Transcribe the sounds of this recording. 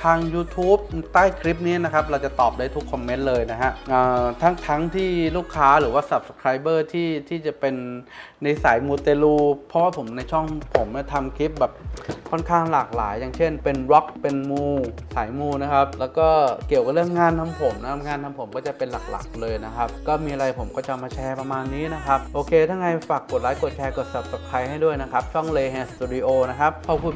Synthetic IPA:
t̪ʰaː˧ŋjuː˧t̪ʰuː˦˥p̚t̪aː˥˩jkʰɾi˦˥p̚ni˦˥ɐ˨na˦˥kʰa˦˥p̚ɾa˧wt͡ɕa˨˩t̪ɔː˨˩p̚daː˧jt̪ʰu˦˥kʰːɔ˧mːe˦˥nlɤː˧jna˦˥ɦa˦˥ʔʔəː˨˩t̪ʰa˦˥ŋt̪ʰa˦˥ŋt̪ʰiː˥˩luː˥˩kʰːaː˦˥ɾɯː˩˦waː˥˩sa˨˩p̚sḁ˧kʰɾaː˧jbɤː˥˩t̪ʰiː˥˩t̪ʰiː˥˩t͡ɕa˨˩pe˧nː | ai˧˩saː˩˦jmuː˧t̪eː˧luː˧˩pʰɔ˦˥waː˥˩pʰo˩˦mna˧jt͡ɕʰɔ˥˩ŋpʰo˩˦mː˦˥˩t̪ʰa˧mkʰi˦˥p̚bɛː˨˩p̚kʰɔ˥˩nkʰaː˥˩ŋlaː˨˩k̚la̰ː˩˦jːaː˨˩ŋt͡ɕʰe˥˩npe˧nɾɔ˦˥k̚pe˧nmuː˧saː˩˦jmuː˧na˦˥kʰa˦˥p̚lɛː˦˥wkɔː˥˩ki˨˩əwka˨˩lɯ˥˩əŋːaː˧nt̪ʰa˧mpʰo˩˦mna˦˥kʰa˦˥ŋaː˧nt̪ʰa˧mpʰo˨˩˦mkɔː˥˩t͡ɕa˨˩pe˧nla˨˩k̚la̰˨˩k̚lɤː˧jna˦˥kʰa˦˥p̚kɔː˥˩miː˧ʔa˧a˧jpʰo˩˦mkɔː˥˩t͡ɕa˨˧maː˧t͡ɕʰɛː˧pɾa˧maː˧nːiː˦˥na˦˥kʰa˦˥p̚ʔoː˧kʰeː˧t̪ʰaː˥˩ŋa˧jfaː˨˩kːo˨˩t̪̚laː˨˩˦jko˨˩t̪̚kʰɛː˧ko˨˩t̪̚sa˨˩p̚sa˨˩k̚t̪ʰa˧jha˥˩jdu˥˩əjna˦˥kʰa˦˥p̚t͡ɕʰɔ˥˩ŋleː˧hɛː˧st̪ʰuː˧di˧ʔoː˧na˦˥kʰa˦˥pʰːɔ˧˥kʰu˧

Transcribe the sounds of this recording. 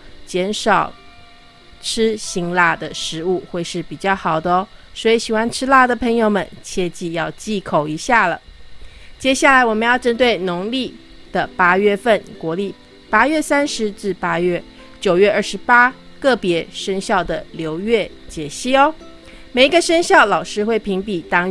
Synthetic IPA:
t͡ɕjɛ˧˥nʂɑ˨˩ʊ | ʈ͡ʂʰɻ̩˥ɕi˧˥ŋla˥˩d̪ə˩ʂɻ̩˧˥u˥˧xwe˥˧ɪʂɻ̩˥˩pi˨˩t͡ɕjɑ˥˩ʊxɑ˨˩ʊd̪ə˦˧˦swɔ˧˥i˧˥ɕi˨˩xwa˥nʈ͡ʂʰɻ̩˥la˥˩d̪ə˨˩pʰə˧˥ŋjo˧ʊmə˨nt͡ɕʰjɛ˥˧t͡ɕi˥˧jɑ˥˧ʊt͡ɕi˥˩kʰo˨˩ʊi˧˥ɕja˥˩lə̰˩ | t͡ɕjɛ˥ɕja˥˩la˧˥ɪwɔ˨˩mə˧˦njɑ˥˩ʊʈ͡ʂə˥nt̪we˥˩ɪnʊ˧˥ŋli˥˩ | d̪̥ə˩pa˥ɥɛ˥˧fə˥˩nkwɔ˧˥li˥˩ | pa˥ɥɛ˥˩sa˥nʂɻ̩˧˦ʈ͡ʂɻ̩˥˩pa˥ɥɛ˥˩ | t͡ɕjo˨˩ʊɥɛ˥˧ə˞˥˩ʂɻ̩˧˥pa˥kɤ˥˩pjɛ˧˥ʂə˥ŋɕjɑ˥˩ʊd̪ə˩ljo˧˥ʊɥɛ˥˩t͡ɕjɛ˨˩ɕi˥˩ɔ˦ | me˨˩ɪi˧˥ɡə˧ʂə˥ŋɕjɑ˥˩ʊlɑ˨˩ʊʂɻ̩˥xwe˥˩ɪpʰi˧˥ŋpi˨˩t̪ɑ˥ŋ

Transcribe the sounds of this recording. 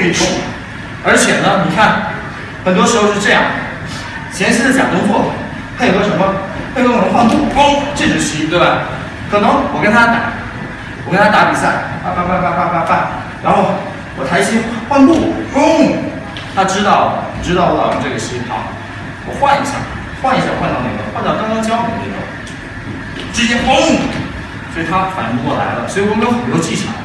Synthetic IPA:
i˥˩ʈ͡ʂʊ˥˩ŋa̰˨˩ | ə˞˧˥t͡ɕʰjɛ˨˩nə˦ni˨˩kʰa˥˩n | xə˨˩nt̪wɔ˥ʂɻ̩˧˥xo˧ʂɻ̩˥˧ʈ͡ʂɤ˥˧jɑ̰˥˩ŋ | t͡ɕʰjɛ˧˥ʂi˥d̪ə˨˩t͡ɕja̰˨˩t̪ʊ˥ŋt͡swɔ˥˩ | t̪ʰa˥jo˨˩˧ʂə˧˥mə˧ | pʰe˥˩kə˥˩˨xwa˥˧nt̪u˥˩kʊ˥ŋʈ͡ʂe˥˩ʈ͡ʂʊ˧˩ɕi˥t̪we˥˩ɪbe˧˩ɪ | kʰɤ˨˩nɤ˧˥ŋwɔ˨˩kə˥nt̪ʰa˥t̪a˨˦ | wɔ˨˩kə˥nt̪ʰa˥t̪a˥˩pi˨˩sa˥˩ɪa˥˧pa˥˧fa˥˧pa˥˧fa˥˧pa˥˧fa˥˩ | ɻa˧˥nxo˥˩ʊ | wɔ˨t̪ʰa˧˥i˥˩jɛ˥xwa˥˧nt̪u˥˩xo˥u˥˩ | t̪ʰa˥ʈ͡ʂɻ̩˥t̪ɑ˥˩ʊ˨˩ʈ͡ʂɻ̩˥t̪ɑ˥˩ʊwɔ˧˥lɑ˨˩ə˧˥ʈ͡ʂɤ˥˩ɡə˨˩ɕi˧˥pʰɑ̰˧˥ | wɔ̰˨˩xwa˥˩ni˧˥ɕja̰˥˩ | xwa˥˩ni˧˥ɕja˥˧wa˥˧nt̪ɑ˥˧ʊne˥˩ə̰˨˩˧xwa˥˧nt̪ɑ˥˧kɑ˥ŋkɑ˥ŋt͡ɕjɑ˥ʊk̪i˨˩n˥˩ɡə̰˨˩ | ʈ͡ʂɻ̩˥˩ɕjɛ˥xo˥˩ | swi˨˩t̪ʰa˥fa̰˨˩ni˧˥ŋkwɔ˥˩la̰˧˥ɪlə̰˧swɔ˧˥i˨˩wɔ˥kə˥nxə˨˩nt̪wɔ˥t͡ɕi˥˩ʈ͡ʂʰɑ̰˨˩˦

